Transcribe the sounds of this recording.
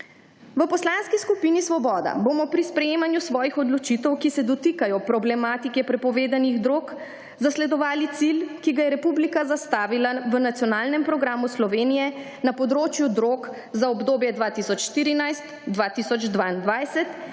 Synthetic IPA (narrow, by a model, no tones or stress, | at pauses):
ʋəpɔslanskiskupinisʋɔbɔːd̪a̰bomɔpɾispɾɛjeːmanjusʋɔːjixɔd̪lɔt͡ʃit̪ɛwkisɛd̪ɔt̪ikajɔpɾɔblɛmaːt̪ikɛpɾɛpɔʋeːd̪aniɣd̪ɾoːk | zaslɛd̪ɔʋaːlit̪silkiɡajɛɾɛpublikazast̪aːʋilaʋənat̪sjɔnaːlnɛmpɾɔɡɾaːmuslɔʋeːnijɛ | napɔd̪ɾoːt͡ʃjud̪ɾoːk | zaɔbd̪oːbjɛd̪ʋaːt̪isɔt͡ʃʃt̪iɾinajst̪d̪ʋaːt̪isɔd͡ʒd̪ʋaind̪ʋajsɛt̪